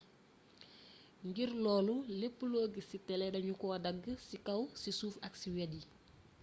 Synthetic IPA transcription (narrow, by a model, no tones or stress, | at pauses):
ŋɡirlɔːlulepːəloːɡəsitɛlɛdɐɲukɔːɐdɐɡːəsikɐwsisuːfɐksiwɛdi